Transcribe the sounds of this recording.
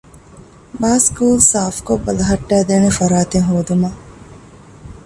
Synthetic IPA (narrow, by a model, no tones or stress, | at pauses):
baːskuːlsaːfkobɐlɐɦɐʈːæːd̪eːnefɐɾaːt̪eŋɦoːd̪umɐ